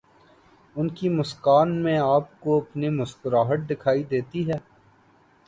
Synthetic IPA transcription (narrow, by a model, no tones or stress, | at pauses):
ʊnkimʊskaːnmẽaːpkoɐpnemʊskʊɾaːɦəʈ̚d̪ɪkʰaːid̪eːt̪iɦɛː